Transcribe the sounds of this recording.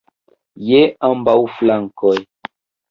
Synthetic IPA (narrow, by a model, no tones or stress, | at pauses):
jeãmbawflaŋkɔj